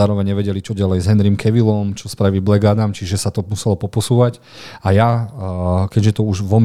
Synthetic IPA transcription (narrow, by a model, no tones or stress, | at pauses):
aːɾɔʋɛɲɲɛʋɛɟɛlit͡ʃɔɟalɛjzɦɛnɾiːmkʰɛʋilɔmt͡ʃɔspɾaʋiːblɛɡaːd̪amt͡ʃiʒɛsat̪ɔmusɛlɔpɔpɔsuːʋac | aja | kɛɟʒɛt̪ɔuʒʋɔm